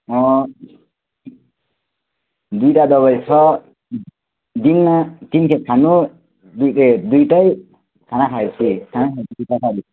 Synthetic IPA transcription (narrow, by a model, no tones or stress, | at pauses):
ɔ̃ | d̪ujʈad̪ɔbajsʰɔ | d̪int̪inkʰet̪̚kʰanu | d̪ed̪ujʈaj | kʰanakʰajsʰikʰanakʰajsʰid̪utakʰaɾi